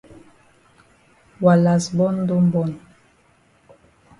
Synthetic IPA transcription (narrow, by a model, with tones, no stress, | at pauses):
wa˨la˨sbɔ˦n˦do˦m˦bɔ˦˨n